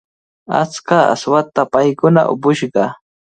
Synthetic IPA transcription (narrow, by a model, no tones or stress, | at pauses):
a̰t͡skaa̰swat̪apajkʊna̰ʔʊ̰pʊʃɢɑ